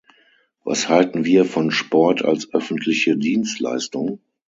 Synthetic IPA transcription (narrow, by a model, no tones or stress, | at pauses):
va̰shaltn̩viːɐfɔnʃpɔɐtʰa̰lsʔœfn̩tʰlɪçədiːnstla̰ɪstʊŋ